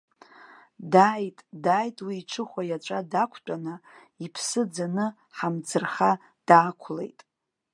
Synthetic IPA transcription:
dajtʼdajtʼwiːʈ͡ʂʰɨχʷajat͡ʃʷʼadakʷʰt͡pʷʼanɨ | ipʰsɨd͡zanɨ | ħamd͡zɨrχa | d̥aːkʷʰlḛjtʼ

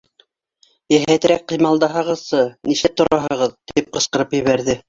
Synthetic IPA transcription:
jæɦæt̪̆ɾæk̚qɤ̆jmɑlˠd̪ɑɦɑʁɤ̆ðsɤniʃæp̚t̪ŏɾɑɦɤ̆ʁɤðt̪ip̚qɤ̆sqɤ̆ɾɤpjɘ̆βæɾðɘ

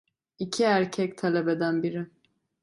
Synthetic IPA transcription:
icʰiæɾcʰɛc̚t̪ʰalʲebɛd̪ænbiɾɪ

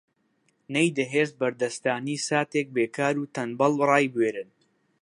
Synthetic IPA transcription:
nejd̪ɐɦeːs̚bɐɾd̪ɐst̪aːniːsaːt̪eːk̚beːkʰaːɾuːt̪ɐnbɐlˠrˤɑːjbweːɾɨn

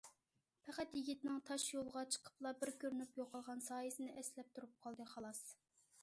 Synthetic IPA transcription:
pʰæqæt̪jiɡʲit̪ɪnɪŋt̪ʰɑʃjolˠʁɑt͡ʃʰə̥qʰə̥p̚lˠɑbɪɾkʲʰøɾnypjoqʰɑlˠʁɑnsɑːjɨsɨnɨʔɛslɛp̚t̪ʰuɾup̚qʰɑlˠd̪ɨχɑlˠɑs

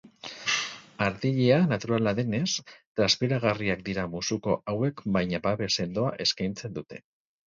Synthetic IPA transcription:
aɾðiʎeanat̪uɾalaðe̞ne̞st̪ɾaspiɾaɣ̞ariak̚d̪iɾamusuko̞̰ʔawe̞kbajɲabaβe̞se̞ld̪o̞aʔe̞skajnt͡se̞nd̪ut̪e̞̥̰

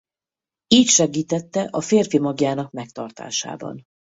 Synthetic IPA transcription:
iːcʃɛɡiːt̪ɛt̪ːɛʔɒfeːrfimɒɡjaːnɒk̚mɛk̚t̪ɒrt̪a̰ːʃa̰ːbɒ̰n

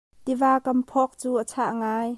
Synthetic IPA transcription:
t̪ivaːkɐmpʰɔk̚t͡suːʔət͡sʰaʔŋaːj

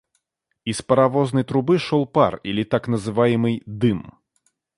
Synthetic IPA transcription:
ispəɾɐvoznəjt̪ɾʊbɨʂɔlˠparilʲit̪aknəzɨvajɪmɨjd̪ɨm

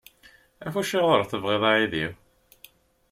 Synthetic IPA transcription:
æfuʃːiʁəɾˤθəvʁeðˤaʕiðiw

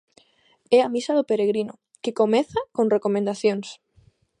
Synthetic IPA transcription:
ɛamisaðʊpeɾeɣ̞ɾino | kekomeθakõnrekomẽnd̪aθjõŋs

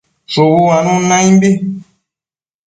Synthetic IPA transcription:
sowuwanũnãĩmbi

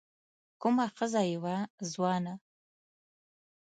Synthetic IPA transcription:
kʷʰʼʊmaχəzajiwazwana

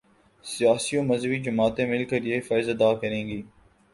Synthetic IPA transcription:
sɪjaːsiõːməzəʋid͡ʒʊmaːt̪ẽmɪlkəɾjeɪfaːɪzɐd̪aːkəɾẽːŋɡiː

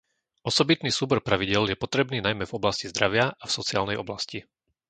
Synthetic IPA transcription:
ʔɔsɔbit̪niːsuːbɔɾpɾaʋiɟɪɛljɛpɔt̪ɾɛbniːnajmɛvɔblascizd̪ɾaʋɪaafsɔt͡sia̰ːlnɛjʔɔ̰blasci

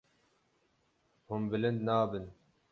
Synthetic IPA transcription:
hʊmbɨlɪnd̪naːbɨn

